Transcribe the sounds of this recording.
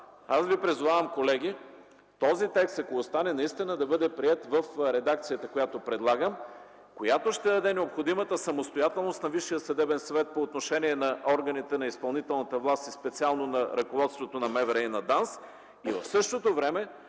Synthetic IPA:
asvipɾizuvavəmkolɛɡ̟ʲi | t̪ɔzit̪ɛkst̪ɐkoost̪anɛnɐist̪inəd̪ɐbɤd̪ɛpɾiɛt̪vəfɾɛd̪akt̪sijət̪əkojat̪opɾɛd̪lˠaɡəm | kojat̪oʃt̪ɛd̪ɐd̪ɛnɛopxod̪imət̪əsɐmost̪ojat̪ɛlˠnost̪nɐviʃːijəsɐd̪ɛbɛnsvɛt̪̚poːt̪noʃɛniɛnɐʔɔɾɡɐnit̪ɛnɐispɐlˠnit̪ɛlˠnət̪əvlˠast̪ispɛt̪sialˠnonɐɾɐkovɔt̪st̪vot̪onɐmɛvɛɾɛjnɐd̪ans | ivɐ̰fsɤʃt̪ot̪ovɾɛmɛ

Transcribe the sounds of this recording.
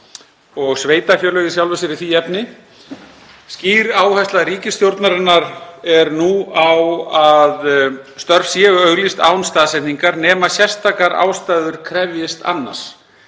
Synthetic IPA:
ɔɣsveːjt̪afjœːlœːɣɪsjawlvɛsɪɾɪθiɛpnɪ | sciːɾaːwhɛst̪laɾiːcɪst̪jowɾt̪naɾɪnːaɾɛɾnuawaðst̪œɾfsjɛːʏœɣlist̪a̰ːwʏmst̪aːðsɛht̪niŋkaɾnɛːmasjɛ̥st̪ʰaːkaɾa̰ːwst̪ajðʏɾ̥kʰɾɛvjɪst̪a̰nːa̰̥s

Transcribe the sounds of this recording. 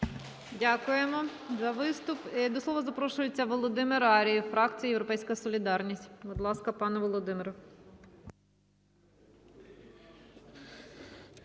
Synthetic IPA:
dʲakʊjemɔzɐʋɪst̪ʊpid̪ɔsˠɔʋɐzɐpɾɔʃʊjet͡sʲːɐʋɔlˠɔd̪ɪmɪɾɑɾʲijifɾɑk̪t͡s̪ʲijɐjewɾɔpɛjsʲkɐsɔlʲid̪ɑrnʲisʲtʲbɔd̪lˠɑskɐpɑnɛʋɔlˠɔd̪ɪmɪɾʊ

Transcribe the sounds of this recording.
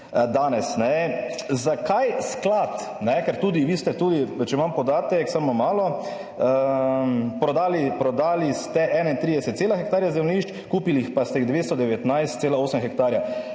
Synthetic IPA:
d̪aːnɛsnɛ | zakajsklat̪ | nɛkɛɾt̪uːd̪iʋiːst̪ɛt̪uːd̪it͡ʃɛmampɔd̪aːt̪ɛksamɔmaːlɔ | ə | pɾɔd̪aːlipɾɔd̪aːlist̪ɛʔɛːnaint̪ɾid̪ɛsɛt̪t̪seːlaxɛk̚t̪aːɾjazɛwniʃt͡ʃ | kuːpilixpast̪ɛɣd̪ʋeːst̪ɔd̪ɛʋɛt̪najst̪t̪seːlaoːsəmxɛk̚t̪aːɾja

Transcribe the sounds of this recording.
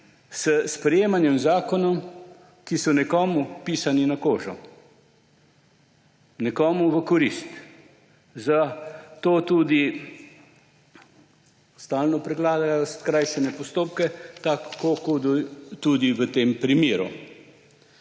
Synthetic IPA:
səspɾɛjeːmanjɛmzaːkɔnɔm | kisɔnɛkɔːmupiːsaninakoːʒɔ | nɛkɔːmuʋəkɔɾist̪ | zat̪oːt̪ud̪i | st̪aːlnɔpɾɛɡlaːd̪ajɔskɾajʃɛnɛpɔst̪oːpkɛt̪akːokud̪ut̪ud̪iʋət̪empɾimeːɾṵ

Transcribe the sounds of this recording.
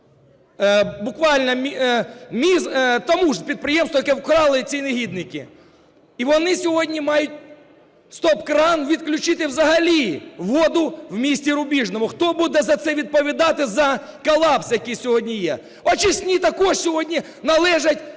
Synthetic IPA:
bʊkʋalʲnɐmʲimʲizt̪ɐmuʐpʲɾʲɪd̪̚pɾɪjemsɔjkɛwkɾɑlˠɪt͡sʲinɪɦʲid̪nɪkʲɪ̰ | iʋɔnɪsʲʊʋodʲnʲɪmajʊtʲ | st̪opkɾanʋʲɪt̪klʲʊt͡ʃɪt̪ɪwzɐɦɐlʲiʋod̪ʊwmʲisʲtʲɪɾʊbʲiʐnɐmʊxt̪obud̪ɛzɐt̪sɛʋʲɪd̪̚pɐʋʲɪd̪at̪ɪzɐkɐlˠapsjɐkʲijsʲʊɦodʲnʲɪje | ɐt͡ʃɪsʲnʲit̪ɐkoʂsʲɪʋodʲnʲɪ | nɐlˠɛʐɐtʲ

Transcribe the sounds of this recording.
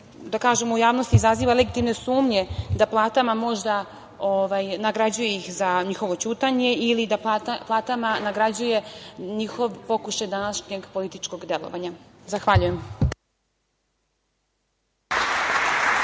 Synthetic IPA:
d̪akaːʒemoujaːʋnost̪izaziːʋaleɡit̪imne̞suːmɲe̞d̪aplˠaːt̪amamo̞ʒd̪a | oʋajnaɡɾad͡ʑuje̞ixzaɲixo̞ʋo̞t͡ɕuːt̪aɲe̞ilid̪apat̪aplˠaːt̪amanaɡɾad͡ʑuje̞ɲixo̞ʋpo̞kuʃajd̪anaʃɲeɡpo̞lit̪it͡ʃko̞ɡd̪e̞lˠo̰ʋaɲazaxʋaʎujem

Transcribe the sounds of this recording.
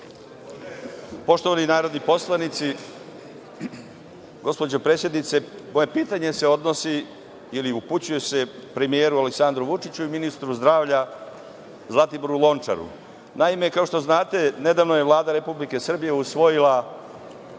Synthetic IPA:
po̞ʃt̪o̞ʋaninaːɾo̞d̪nipo̞slˠanit̪si | ɡo̞spo̞d͡ʑopɾe̞ːsjed̪nit̪se̞mo̞je̞piːt̪aɲe̞seo̞d̪no̞si | iliuput͡ɕujese̞pɾe̞mijeːɾuale̞ksand̪ɾuʋut͡ʂit͡ɕuiminist̪ɾuzd̪ɾaːʋʎa | zlˠat̪iboɾulˠo̞nt͡ʂa̰ɾṵ | naimekao̞ʃt̪o̞znaːt̪e̞ne̞d̪aʋnoje̞ʋlˠaːd̪aɾe̞publike̞sr̩bije̞usʋo̞jila

